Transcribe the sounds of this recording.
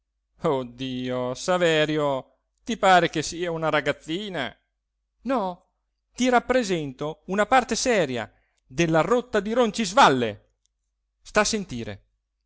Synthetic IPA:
od̪ːiːosavɛːɾjo | t̪ipaːɾekesiːaunaɾaɡat̪sːiːna̰ | nɔ | t̪iɾapːɾezɛnt̪ounapart̪esɛːɾja̰ | d̪elːarot̪ːad̪iɾont͡ʃizvalːḛ | st̪asent̪iːɾḛ

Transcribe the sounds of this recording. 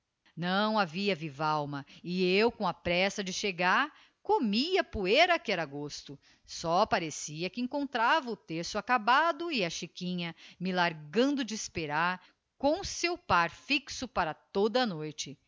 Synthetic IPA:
nɐ̃w̃aviɐvivawmɐɪewkõɐpɾɛsɐd͡ʒɪʃeɡaɾ | komiɐpueɾɐkɪɛɾaɡost̪ʊ | sɔpaɾesiɐkɪẽŋkõnt̪ɾavɐʊt̪eɾsʊakabad̪ʊɪɐʃikĩɲɐmɪlaɾɡɐ̃nd̪ʊd͡ʒɪːspeɾaɾ | kõw̃sewpaɾfiksʊpaɾɐt̪od̪ɐnojt͡ʃɪ

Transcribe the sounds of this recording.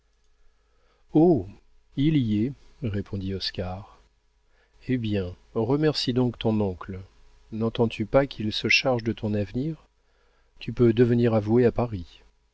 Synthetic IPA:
o | iliɛʁepʰɔ̃d̪iɔskaʁ | ebjɛ̃ | ʁəmɛʁsid̪ɔ̃kt̪ɔ̃nɔ̃kl | nɑ̃t̪ɑ̃t̪ʰypakʲʰilsəʃaʁʒd̪ət̪ɔ̃navniʁ | t̪ypød̪əvəniʁavueapaʁi

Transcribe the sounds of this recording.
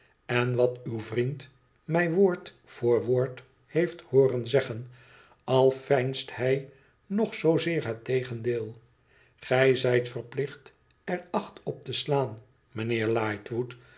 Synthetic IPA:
ɛnʋɑtywvrint | mɛjʋoːɹt | fʊːɹʋoːɹt | hejfthoːrənzɛχən | ɑlˠfɛjnsthɛj | nɔχsowzɪːɹɦətejχəndeːlˠ | χɛjzɛjtfərplɪχt | ɛrɑχtɔp̚təslaːn | mənɪːɹlɑːjtʋut

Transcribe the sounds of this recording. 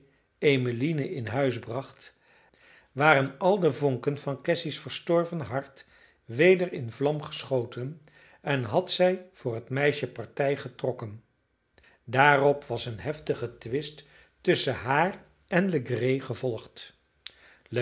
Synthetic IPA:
ejmilinəʔɪnɦœɥzbrɑχt | ʋaːrənɑlˠdəvɔŋkənvɑnkɛsisfəɹstɔɹvənɦɑɹt | ʋejdəɹɪnvlɑmχə̥sχowtən | ɛnɦɑtsɛjv̥ʊːɹɦətmɛjʃəpɑɹtɛjχətrɔkən | daːrɔpʋɑsənɦɛftəχətʋɪst | ɵsəɦaːr | ʔɛnləɡrejχəvɔlˠχt

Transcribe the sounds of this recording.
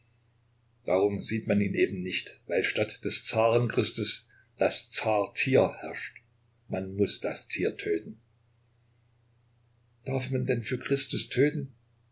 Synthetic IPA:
d̥a̰ːʁʊmziːtmaniːnʔeːbm̩nɪçtvaɪlʃtatd̥ɛst͡saːʁənkʁ̥ɪstʊs | d̥ast͡saːɐtʰiːɐhɛɐʃt | manmʊsd̥astʰiːɐtʰøːtn̩ | d̥aɐfmandɛnfyːɐkʁ̥ɪstʊstʰøːtn̩

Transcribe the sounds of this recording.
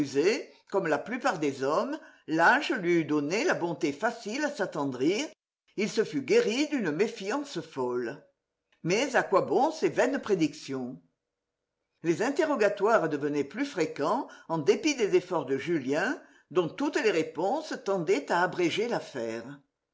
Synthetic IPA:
yze | kɔmlaplypaʁd̪ezɔmlaʒəlɥiyd̪ɔnelabɔ̃t̪efasilasat̪ɑ̃d̪ʁiʁ | ilsəfyɡeʁid̪ynəmefjɑ̃səfɔl | mɛzakwabɔ̃sevɛnəpχed̪iksjɔ̃ | lezɛ̃t̪eʁɔɡat̪waʁd̪əvənɛplyfχekɑ̃ɑ̃d̪epid̪ezefɔʁd̪əʒyljɛ̃ | d̪ɔ̃t̪ut̪əleʁepɔ̃sət̪ɑ̃d̪ɛt̪aːbʁeʒelafɛːʁ

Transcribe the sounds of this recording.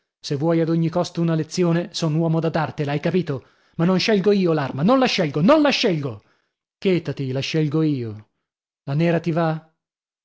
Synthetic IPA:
sevːwɔjad̪oɲːikɔst̪ounalet̪sːjoːnesonwɔːmod̪ad̪art̪elajkapiːt̪o | manːonʃɛlɡoiːolarmanonlaʃːɛlɡononlaʃːɛlɡo | keːt̪at̪ilaʃːɛlɡoiːo | lanɛːɾat̪iva

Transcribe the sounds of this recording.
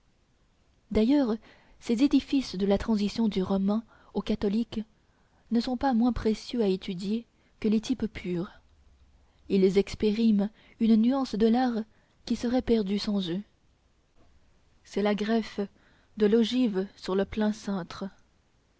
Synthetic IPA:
d̪ajœʁ | sezed̪ifisd̪əlat̪χɑ̃zisjɔ̃d̪yʁɔmɛ̃ | okat̪ɔlik | nəsɔ̃pamwɛ̃pχesjøaet̪ʰyd̪je | kəlet̪ʰippʰyːʁ | ilzɛkspeʁim | ynnyɑ̃sd̪əlaʁ | kʲisəʁɛpɛʁd̪ysɑ̃zø | sɛlaɡʁɛf | d̪əlɔʒivsyʁləplɛ̃sɛ̃ːt̪χə

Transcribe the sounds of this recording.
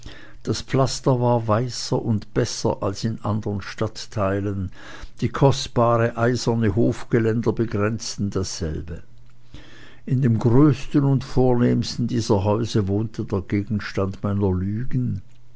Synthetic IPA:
d̥aspflastɐvaːɐvaɪsɐʔʊntb̥ɛsɐ̰ʔalsɪnʔandəʁənʃtatʰːaɪlən | d̥iːkʰɔstb̥aːʁəʔaɪzɐnəhoːfɡ̥əlɛndɐbəɡʁɛnt͡stn̩dasz̥ɛ̰lbə | ʔɪndeːmɡʁøːstənʊntfoːɐneːmstn̩diːzɐɦaʏzəvoːntʰədeːɐɡ̥eːɡn̩ʃtandmaɪnɐlyːɡn̩

